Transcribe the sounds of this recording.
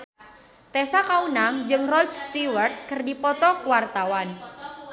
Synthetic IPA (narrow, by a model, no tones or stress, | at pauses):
t̪ɛsakaunaŋd͡ʒɨŋrɔtst̪iwərt̪̚kərdipɔt̪ɔkuwart̪awan